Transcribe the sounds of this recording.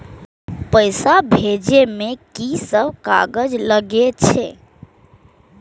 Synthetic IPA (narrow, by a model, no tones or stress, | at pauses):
pəjsabʱed͡ʒemekisəbʱka̰ɡəd͡ʒləɡet͡ʃʰḛ